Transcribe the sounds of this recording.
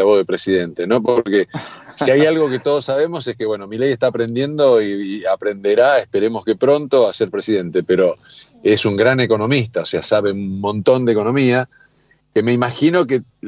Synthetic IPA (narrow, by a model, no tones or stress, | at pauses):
aβoðepɾe̞siðe̞nt̪e̞nopoɾke̞siajalɣo̞ke̞t̪o̞ðo̞sːaβ̞e̞mo̞seskeβwe̞no̞milejeht̪aːpɾe̞nd̪je̞nd̪o̞iapɾe̞nd̪e̞ɾaehpe̞ɾe̞mo̞skepɾo̞nt̪o̞ase̞ɾpɾe̞siðe̞nt̪e̞pe̞ɾo̞ | e̞suŋɡɾane̞ko̞no̞mist̪aoseasaβe̞unmːõnt̪o̞nd̪eko̞nõ̞mia | ke̞me̞imaxino̞ke